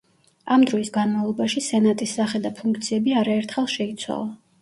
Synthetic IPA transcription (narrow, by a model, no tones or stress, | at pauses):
amd̪ɾɔisɡanmavlˠɔbaʃisɛnat̪ʼisːaχɛd̪apʰuŋkʰt̪sʰiɛbiaɾaɛɾt̪ʰχɛlˠʃɛit̪sʰwa̰lˠa